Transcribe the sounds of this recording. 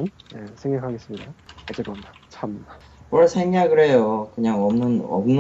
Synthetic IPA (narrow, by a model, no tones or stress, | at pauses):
nje̞sʰeŋɡakʰaɡes͈ɯmɲidaad͡ʑek͈ɯomd̪at͡ɕʰam | wʌɭsʰe̞ŋɲaɡɯɾe̞jokɯɲaŋʌmnɯnʌ̰mn